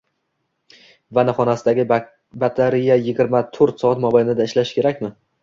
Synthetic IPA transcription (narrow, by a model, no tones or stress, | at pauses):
vanɪχɒnasɪd̪aɡʲɪ | bat̪ʰaɾijajɪɡʲɪɾmat̪ʰoɾt̪sɒat̪mɒbajnɪd̪aɪʃlaʃkʲʰe̞ɾakʲmɪ